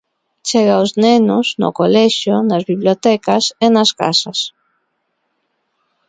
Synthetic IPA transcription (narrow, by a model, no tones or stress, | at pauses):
t͡ʃɛɣaoznɛnʊzno̰kolɛʃonazβiβljot̪ɛkasenaska̰sas